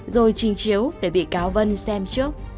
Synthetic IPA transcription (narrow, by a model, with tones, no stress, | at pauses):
zo˨˩jt͡ɕï˨˩ŋ̟t͡ɕi˨˦əwɗe˧˩ɓḭ˧˨kaː˨˦wvə˧nsɛ˧mt͡ɕɨ˦˥ək̚